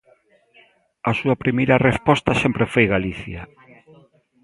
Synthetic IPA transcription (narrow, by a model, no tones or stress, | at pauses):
asuɐpɾimejɾɐrespɔst̪ɐsempɾefojɣaliθja